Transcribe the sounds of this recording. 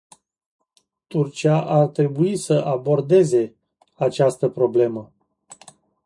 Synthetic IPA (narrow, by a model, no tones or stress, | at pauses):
t̪urt͡ʃiaʔart̪ɾe̞buisəʔabo̞rd̪e̞ze̞ | at͡ʃast̪əpɾo̞ble̞mə